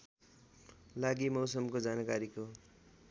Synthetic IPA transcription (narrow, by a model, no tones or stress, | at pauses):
laɡimʌwsʌmkod͡zankaɾiko